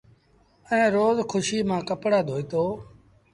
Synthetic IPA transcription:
əɛ̃ːɾoːzkʰʊʃiːmãːkəpɽaːd̪ʱoːiːt̪oː

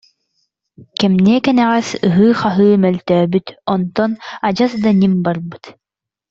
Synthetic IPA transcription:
kɛmniɛkɛnɛʁɛsɯɦɯːχaɦɯːmœlt̪œːbyt̪ɔnt̪ɔnad͡ʑasd̪animbaɾbɯt̪

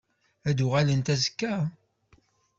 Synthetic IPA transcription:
æd̪uʁælənt̪æzəkːæ

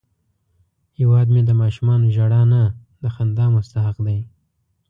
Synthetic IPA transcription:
hewɑːd̪med̪əmɑʃumɑnoʒaɽɑna | d̪əxand̪ɑmʊst̪aɦaqd̪aj

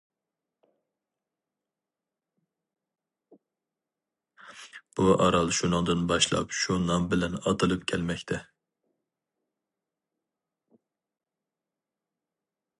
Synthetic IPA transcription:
b̥uʔɑɾɑlˠʃunɨŋd̪ɨnbɑʃlˠɑ̰pʃunɑmbɪlɛnɑt̪ʰɨlˠɨpkʲʰɛlmɛkʲt̪ʰɛ

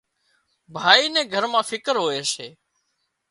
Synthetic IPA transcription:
bʱaːiːnɛ̃ːɡʱəɾmãːfʰɪkəɾɦoːeːseː

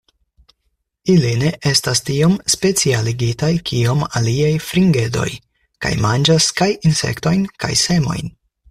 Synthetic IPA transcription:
iline̞ʔe̞stastio̞mspe̞t͡sialiɡitajkʰio̞ma̰liajfɾiŋɡe̞do̞̰j | ka̰jmand͡ʒaskajinse̞̰kto̞jnka̰jse̞mo̞̰jn

